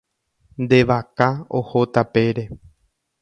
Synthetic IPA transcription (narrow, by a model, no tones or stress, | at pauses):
nd̪e̞ʋakao̰hot̪ape̞ɾe̞